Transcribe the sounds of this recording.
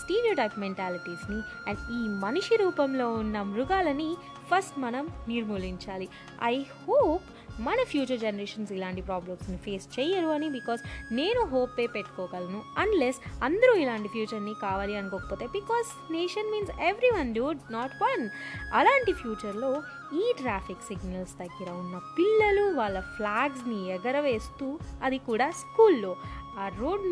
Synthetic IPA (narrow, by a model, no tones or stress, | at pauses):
sʈeːɾioːʈɐjpmeɳʈaːliʈiːsniiːmɐniʂiɾuːpɐmlo̞ːunːɐmɾuɡaːlɐni | pʰɐɾsʈmɐnɐmniɾmuːliɲt͡ʃaːli | ɐ̰jhoːp | mɐnɐpʰjuːt͡ʃɐɾd͡ʒenɐɾeːʃɐnsilaːɳʈipɾaːblɐmsnipʰe̞ːst͡ʃɛːjɐɾuɐnibikɔːzne̞ːnuɦoːpːeːpeʈːu̥kɔːkɐlɐnuɐnlesɐnd̪ɐɾuilaːɳʈipʰjuːt͡ʃɐɾnikaːʋaːliɐnukoːkɐ̥poːt̪e̞ːbikɔːz | neːʃɐnmiːnseʋɾiʋɐnɖuɖnaːʈʋɐnɐlaːɳʈipʰjuːt͡ʃɐɾlo̞ː | iːʈɾaːpʰiksiɡnɐlst̪ɐɡːiɾɐunːɐpilːɐluʋaːɭːɐfʰlaːɡs̬niɛɡɐɾɐʋe̞ːst̪uːɐd̪ikuːɽaːskuːlːoːaːɾoːɖ